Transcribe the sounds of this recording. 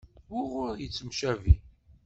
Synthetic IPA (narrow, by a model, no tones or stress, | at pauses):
ʊʁʊɾjət͡sːəmʃævḭ